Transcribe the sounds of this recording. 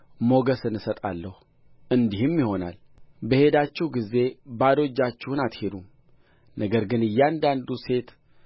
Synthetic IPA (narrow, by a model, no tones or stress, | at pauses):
mo̞ɡəsɨnɨsət̪ʼa̰lːəhu | ʔɨnd̪ihɨmjiho̞na̰l | bəhe̞d̪at͡ʃːɪhɡizːe̞bad̪o̞d͡ʒːat͡ʃːɪhɨnat̪hed̪um | nʔəɡəɾɡɨnɨjːand̪and̪use̞t̪